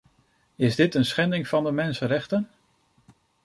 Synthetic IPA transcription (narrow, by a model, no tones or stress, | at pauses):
ɪzdɪtənsχɛndɪŋv̥ɑndəmɛnsənɾɛχtən